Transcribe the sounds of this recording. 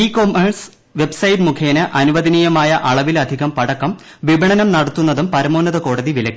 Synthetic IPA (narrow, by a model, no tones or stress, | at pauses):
iːkomeɳs | ʋe̞bsɐjtmukʰeːnɨʔɐnuʋɐðinijɐmaːjɐʔɐɭɐʋilɐd̪ʱiɣɐmpɐɽɐkːɐm | ʋibʱɐɳɐnɐmnɐɽɐt̪ːunːɐðumpɐɾɐmoːnːɐðɐko̞ːɽɐðiʋilɐkːi̥